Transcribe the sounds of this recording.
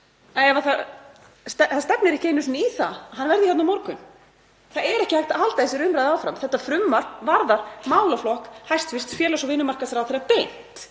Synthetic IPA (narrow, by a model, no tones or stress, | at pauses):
aɛvaθa | st̪ɛθaðst̪ɛpnɪɾɛhcejnʏsniθa̰ɦanːvɛɾðɪçɛt̪namɔɾkʏn | θaðɛɾɛhcɪhajht̪aɦalt̪aðɪsjɛɾʏmɾajðawfɾamθɛht̪ːafɾʏmːaɾ̥vaɾðaɾ̥maːwlaflɔhkhajst̪fɪst̪fjɛːlasɔvɪnːʏmarkasaɾaθeːɾapejn̥t̪